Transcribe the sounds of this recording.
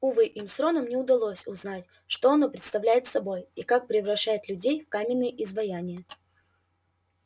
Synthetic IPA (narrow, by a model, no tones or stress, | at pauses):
ʊvɨʔimsɾo̞nəmnʲɪʊd̪ɐlˠo̞sʲʊznatʲ | ʂt̪oɐno̞pɾʲɪt̪st̪ɐvlʲæjɪt̪sɐbo̞jikak̚pɾʲɪvɾɐɕːajɪt̪lʲʉdʲejfkamʲɪnːɨjəʔɪzvɐjanʲɪjə